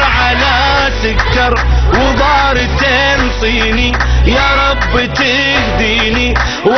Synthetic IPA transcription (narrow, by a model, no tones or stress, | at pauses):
ʕala | sʊkːɑɾˤwɪðˤɑːɾt̪ːe | msˤiːnijɑɾˤɑbːt̪ɪ | xd̪iːni | w